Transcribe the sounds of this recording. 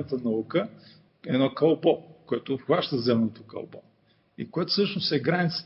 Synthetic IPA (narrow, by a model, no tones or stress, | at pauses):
ət̪ənɐukə | ɛd̪nɔkɐlˠbɔkoɛt̪ofxvaʃt̪əzɛmnot̪okɐ̰lˠbɔ̰ | ḭkoɛt̪ʊ̥sɤʃnosɛɡɾanit̪s